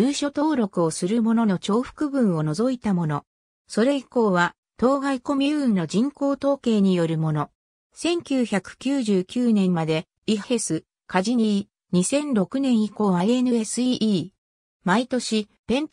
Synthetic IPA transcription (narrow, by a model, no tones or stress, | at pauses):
jɯːɕo̞t̪oːɾo̞kɯ̟o̞sɨɾɯmo̞no̞no̞t͡ɕo̞ːɸɯ̥kɯ̟bɯ̟̃ɰ̃o̞no̞zo̞it̪amo̞no̞ | so̞ɾe̞iko̞ːβa | t̪o̞ːɡaiko̞mʲiɯ̟̃nːo̞ʑĩŋko̞ːt̪o̞ːke̞ːɲ̟ijo̞ɾɯ̟mo̞no̞ | sẽ̞ŋkʲɨːçakɯ̟̥kʲɨːʑɨːkʲɨːnẽ̞mmːad̪e̞ | ihe̞sɨ | kaʑiɲii | ɲ̟isẽ̞nɾo̞kɯ̟nẽ̞ɰ̃iko̞ːβaie̞nɯ̟e̞sɨiʔiː | mait̪o̞ɕipẽ̞n